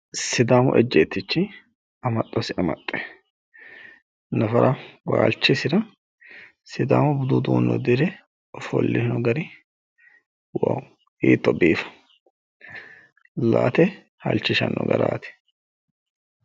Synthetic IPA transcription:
sɪd̪aːmʊʔɛd͡ʒːeːt̪ːɪt͡ʃːɪ | ɐmɐt̪ʼːɔsɪɐmɐt̪ʼːɛ̥ | nɐfɐɾʔɐwaːlt͡ʃːɪsɪɾɐ | sɪd̪aːmʊbʊd̪ʊd̪uːnːɔ̰d̪ɪɾɛ | ɔfɔ̰lːɪhnɔɡɐɾɪ | wa | iːt̪ːɔbiːfɐ̥ | laːt̪ɛ | hɐ̰lt͡ʃːɪʃɐnːɔɡɐɾaːt̪ɛ̥

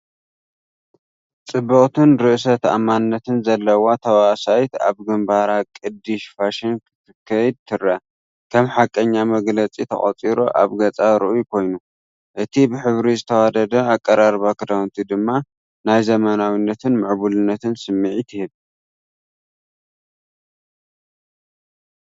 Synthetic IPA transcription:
t͡sʼɨbːɐχʼt̪ʰɨnɾɨʔɨsɐt̪a̰manːɐt̪ʰɨnzɐlːɐwat̪ʰɐwasajt̪a̰βɡɨmbaɾakʼɨd̪ːɨʃfaʃɪnkɨ̥t̪ʰɨkʰːɐjd̪̚t̪ʰɨɾɐ | kʰɐmħakʼːɐɲːamɐɡlɐt͡sʼit̪ʰɐ̰χʼɐ̰t͡sʼiɾoʔa̰βɡɐt͡sʼaɾɨʔujukʰo̞jnu | ʔɨt̪ʰibɨħɨβɾizɨt̪ʰɐwad̪ɐd̪ɐakʼːɐɾaɾβakɨd̪awnt̪ʰid̪ɨmːa | najzɐmɐnawinːɐt̪ʰɨnmɨʕβulɨnːɐt̪ʰɨnsɨmːiʕit̪ʰɨhɨβ

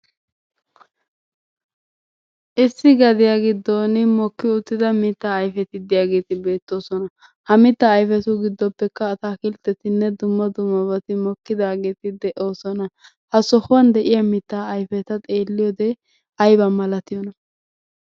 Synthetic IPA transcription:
ʔɪsːɪɡɐd̪ɪjaɡɪd̪ːoːnɪmɔkːɪʊt̪ːɪd̪ɐmɪt̪ːaːjfɛt̪ɪd̪ɪjaːɡe̞ːt̪ɪbe̞ːt̪ːo̞ːsɔnɐ | hɐmɪt̪ːaːjfɛt̪ʊɡɪd̪ːɔpːɛkːɐːt̪aːkɪlt̪ːɛt̪ɪnːɛd̪ʊmːɐd̪ʊmːɐβɐt̪ɪmɔkːɪd̪aːɡe̞ːt̪ɪd̪ɛʔo̞ːsɔnɐ | hɐsɔhʊwɐnd̪ɛʔɪjɐmɪt̪ːaːɐjfɛt̪ɐt̪ʼeːlːɪjoːd̪ɛ | ʔɐjbɐmɐlɐt̪ɪjɔnɐ

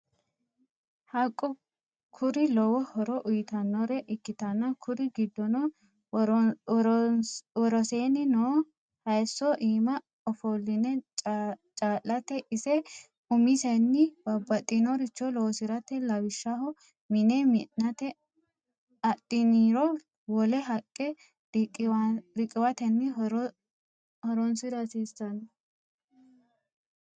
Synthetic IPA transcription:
hɐkʼːɔ | kʰʊɾɪlɔwɔhɔɾɔʔʊjɪt̪ɐnːɔɾɛʔɪkːɪt̪ɐnːɐkʰʊɾɪɡɪd̪ːɔnɔ | wɔɾɔseːnɪnoː | hɐjsːɔʔiːmɐ | ɔfolːɪnɛ | t͡ʃʼaːlːɐt̪ɛʔɪsɛ | ʊmɪsɛnːɪbɐbːɐt̪ʼːɪnɔɾɪt͡ʃːɔloːsɪɾɐt̪ɛlɐwɪʃːɐɦɔ | mɪnɛmɪnɐt̪ɛ | ɐt̪ʼːɪniːɾɔ | wɔlɛɦɐkʼːɛ | ɪɾɪkʼɪwɐt̪ɛnːɪ | hɔɾɔnsɪɾɐsiːsɐn

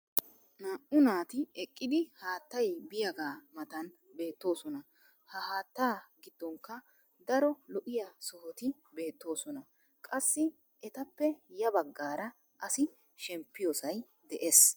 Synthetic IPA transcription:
naːʔʊnaːt̪ɪɛkʼːɪd̪ɪhaːt̪ːɐjbɪjɐɡaːmɐt̪ɐn | be̞ːt̪ːo̞ːsɔnɐ | hɐhaːt̪ːaːɡɪd̪ːɔŋkːɐ | d̪ɐɾɔlɔʔɪjɐsɔhɔt̪ɪ | be̞ːt̪ːo̞ːsɔnɐ | kʼɐsːɪ | ɛt̪ɐpːɛjɐbɐɡːaːɾɐ | ʔɐsɪ | ʃɛmpːɪjosɐj | d̪ɛʔes

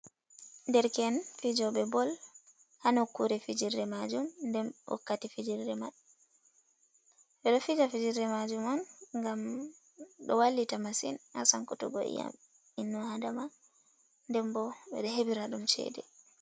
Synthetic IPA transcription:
ndɛɾkɛnfid͡ʒɔɓɛbɔl | hanɔkːuɾɛfid͡ʒirːɛmad͡ʒumndɛmɔ̰kːatifid͡ʒirːɛmaɗ | ɓɛɗɔfid͡ʒafid͡ʒiɾɛmad͡ʒumɔnŋɡam | ɗɔwalːitamasḭnha̰sankɔtɔ̰ɡɔ̰ḭja̰m | inːɔhadama | ndɛmbɔɓɛ̰ɗɛɦebiɾaɗumt͡ʃɛ̰dɛ̰

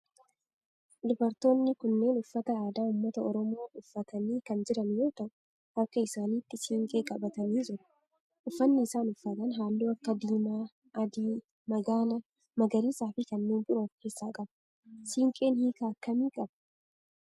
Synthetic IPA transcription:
d̪ʊbɐɾt̪o̞ːnːɪkʊnːe̞ːnʊfːɐt̪ɐaːd̪aːʊmːɐt̪ɐɔɾɔmoːʔʊfːɐt̪ɐniːkɐnd͡ʒɪɾɐnjo̞ːt̪ɐʔʊ | ɐkːɐɪsaːniːt̪ːɪsiːŋkʼeːkʼɐbɐt̪ɐniːd͡ʒɪɾɐ̥ | ʔʊfːɐnːɪːsaːnʊfːɐt̪ɐnɦaːlːuːɐkːɐd̪iːmaː | ɐd̪iː | mɐɡaːlɐ | mɐɡɐɾiːsaːfɪkɐnːiːnbʊɾoːke̞ːsːaːkʼɐb | siːŋkʼe̞ːnhiːkaːɐkːɐmiːkʼɐb

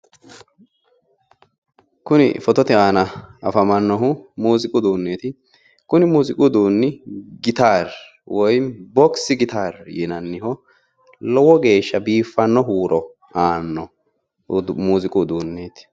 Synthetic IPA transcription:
kʊnɪ̰fɔt̪ɔt̪ɪaːnɐɐfɐmɐnːɔɦʊmuːzɪkʼʊd̪uːnːeːt̪ɪ | kʊnɪmuːzɪkʼud̪uːnːɪɡɪt̪aːɾ | wʔɔjbɔksɪɡɪt̪aːɾjɛnɐnːɪhɔ | lɔwɔɡe̞ːʃːɐbiːfːɐnːɔɦuːɾɔ | aːnːɔ | muːzɪkʼʊd̪uːnːeːt̪ɪ̥

